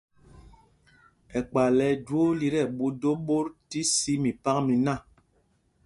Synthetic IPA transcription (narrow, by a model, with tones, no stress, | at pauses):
ɛ˨k͡pa˨lɛ˨˦d͡ʒwo˦li˦ɾɛ˨ɓu˦do˦ɓo˦ɾti˦si˦mi˨pa˦kmi˨na˦˨